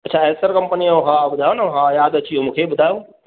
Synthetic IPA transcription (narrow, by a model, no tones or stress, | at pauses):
ɐtːt͡ʃʰaesəɾkəmpəniɦãbʊd̪ʱaːũnaɦãjaːd̪ət͡ʃʰijõmũːkʰebʊd̪ʱaːjũ